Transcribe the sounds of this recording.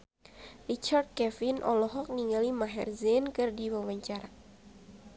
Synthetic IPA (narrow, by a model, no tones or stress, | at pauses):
rit͡ʃard̪̚kɛfinʔɔlɔɦɔk̚niŋɡalimaɦɛrzɛnkɨrdiwawaɲt͡ʃaɾa